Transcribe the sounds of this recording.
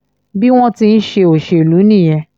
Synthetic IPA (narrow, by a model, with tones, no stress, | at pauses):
bi˦w̃ɔ̃˦ti˧n̩˦ʃe˧o˨ʃe˧˨lu˨˦nĩ˦˨j̃ɛ̃˧